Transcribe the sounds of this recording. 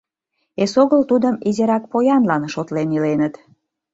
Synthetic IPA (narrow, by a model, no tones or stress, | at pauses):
esoɣəlt̪ud̪əmizʲeɾɑk̚pojɑnlɑnʃot̪lenilenət̪